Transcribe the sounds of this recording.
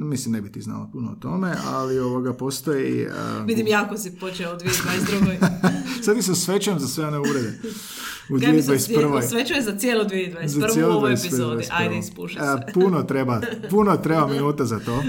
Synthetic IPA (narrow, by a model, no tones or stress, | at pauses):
mislimnebit̪izna̰ːlo̰punoot̪o̞meʔa̰lioʋoɡapo̞ːst̪oḭə̰ʋid̪imjakosipot͡ʃeud̪ʋied̪ad̪ɾuojsat̪isamsʋet͡ɕanzasʋe̞oneuɾed̪e | ud̪ied̪ʋajspr̩ʋojsʋet͡ʃujezat̪sjelˠud̪ʋied̪ʋazarsjelud̪ʋassped̪ʋaspajd̪espuʃapunot̪ɾebapunot̪ɾebaminuːt̪azat̪oː